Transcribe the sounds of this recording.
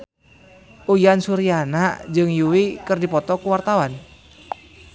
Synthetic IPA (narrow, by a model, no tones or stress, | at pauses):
ujansuɾianad͡ʒɨŋjuwikɨrdipɔt̪ɔkuwart̪awan